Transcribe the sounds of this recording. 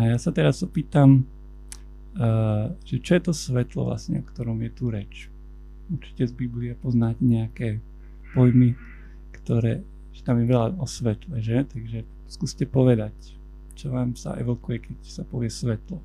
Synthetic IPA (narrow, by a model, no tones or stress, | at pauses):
ajasat̪ɛɾazɔpiːt̪am | ʒ̥ɛt͡ʃɔjɛt̪ɔsʋɛt̪lɔ̰ʋla̰sɲɛ̰ɔkt̪ɔɾɔmjɛt̪uɾɛt͡ʃ | uɾt͡ʃi̥cɛzbibliapɔznaɟɲɛakɛː | pɔjmi | kt̪ɔɾɛː | ʒɛ̥t̪amjɛʋɛlaɔsʋɛt̪lɛʒɛt̪aɡʒɛ | skuscɛpɔʋɛd̪ac | t͡ʃɔʋaːmsa̰ʔɛ̰ʋɔkujɛkɛcsapɔʋɪɛsʋɛt̪lɔ